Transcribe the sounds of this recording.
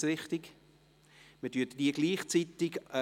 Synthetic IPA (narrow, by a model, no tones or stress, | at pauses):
ɾɪχtɪɡ | mətyːɐtd̥iəɡliːχt͡sitɪɡ